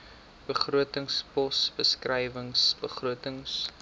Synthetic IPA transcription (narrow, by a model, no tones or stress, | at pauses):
b̥əχruətəŋspɔsbəskrɛjvəŋsbəχruətəŋs